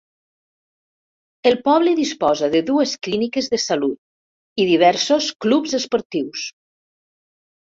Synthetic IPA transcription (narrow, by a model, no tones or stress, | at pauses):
elˠpɔβləðispɔzaðəðuesklinikəzðəsalut̪̚ | iðiβ̞ɛɾsosklubzəspoɾt̪iws